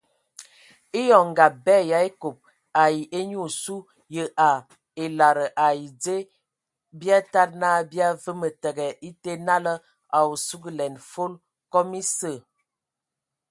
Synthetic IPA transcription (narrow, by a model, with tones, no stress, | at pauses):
i˦jɔ˨ŋ˨ɡa˨bɛ˦˨ja˨˦e˦ko˨p̚ | a˨ji˨ʔe˦ɲ˦u˦˨su˦ | jə˨ʔa˨ | e˨la˨ɾə˨ʔa˨i˨d͡ze˦ | bja˦ta˦t̚na˦bja˦və˦mə˨tə˨ɡɛ˨ʔi˦te˦na˦lə˦ | a˨wu˨su˦ɡi˦lɛ˨nfo˦l | kɔ˦mi˦sə˦˨